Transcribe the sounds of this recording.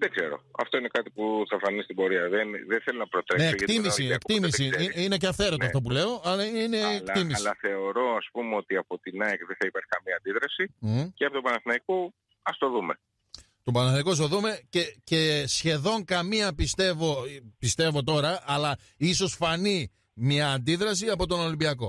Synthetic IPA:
ðeɡze̞̰ɾo̞̰ɐ̰ft̪o̞ine̞kɐt̪ipuθɐfɐnist̪ibo̞ɾiɐðenðeθelonɐpɾot̪ɾeneːkt̪imissiekt̪imis̬iiineceɐfθe̞ɾot̪oɐft̪op̬ule̞o̞ɐlɐineːlk̪imisɐθe̞o̞ɾo̞ɐspumeo̞t̪iɐpo̞t̪inɐekðeθɐipɐɾçi̥kɐmiɐːnd̪iðɾɐsiceɐpot̪obɐnɐθnɐiko | ɐst̪o̞ðume | t̪o̞pɐnɐθnɐjkoɐs̬t̪o̞ðume̞cece̞sçe̞ðo̞ŋkɐmiɐpist̪e̞vo̞pist̪e̞vo̞t̪o̞ɾɐːlɐ | iso̞sfɐni | mɲɐːnd̪iðɾɐsiɐpo̞t̪o̞no̞limbiɐko̞

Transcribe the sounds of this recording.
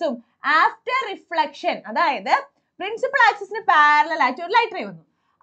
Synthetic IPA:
um | aːfʈɐːifɭɐkʂɐnɐðaːjɐðɨ | pɾinsipːɐɭaːksɐsinɨpaːɾɐlɐlaːt͡ɕːuoɾulɐjʈːɐrɐjʋɐnːu

